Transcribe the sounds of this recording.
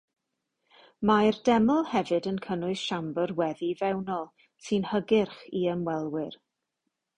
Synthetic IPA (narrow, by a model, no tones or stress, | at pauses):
mardɛməlˠhɛvɨdənkʰənʊɨsʃambərwɛðivɛwnɔlˠ | sɨnhəɡɪrχiəmwɛlˠwɪr